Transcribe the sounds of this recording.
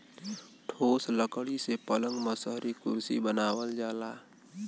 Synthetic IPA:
ʈʰoːsləkɽisepələ̃ŋɡməsəɦɾikʊɾsḭbənaːwəld͡ʒaːlaː

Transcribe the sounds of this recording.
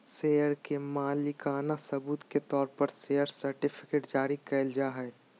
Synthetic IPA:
seːjəɾkemaːlɪkaːnasɐbuːt̪ket̪ɔːɾpəɾseːjəɾsəɾʈɪpʰɪ̥keːʈd͡ʒaːɾikɛld͡ʒaːɦɛɛ

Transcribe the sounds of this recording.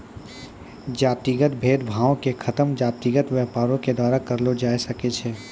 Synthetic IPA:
d͡ʒaːt̪iɡət̪̚bʱeːd̪bʱaːõkekʰɐt̪əmd͡ʒaːt̪iɡət̪ʋjɛːpaːɾõked̪waːɾakɐɾlod͡ʒaːjsɐket͡ʃʰeː

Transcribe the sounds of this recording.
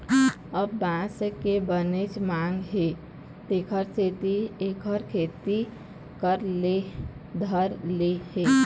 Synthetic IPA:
əbːãsəkebənet͡ʃmaŋɡɦe | t̪ekʰəɾset̪iekʰəɾkʰeːt̪i | kəɾle | d̪ʱəɾlehe

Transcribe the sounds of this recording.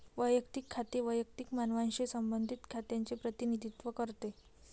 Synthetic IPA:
ʋəjəkt̪ikʰːat̪eʋəjək̚t̪ikmanʋãnɕesəmbənd̪ʱit̪kʰat̪jant͡sepɾət̪inid̪ʱit̪ʋəkəɾt̪e

